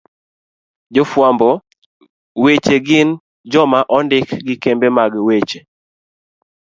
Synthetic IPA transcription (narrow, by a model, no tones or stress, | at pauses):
d͡ʒofwambɔ | wet͡ʃeɡɪn | d͡ʒɔmaʔɔndɪkɡɪkembemaɡwet͡ʃe